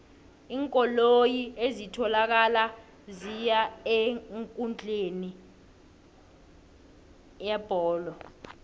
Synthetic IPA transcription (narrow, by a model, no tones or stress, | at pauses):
iːŋkʼɔlojiezitʰɔlak̬ala | zijaeŋkʼund͡ɮʱʼeni | jɛb̥ʱɔːlɔ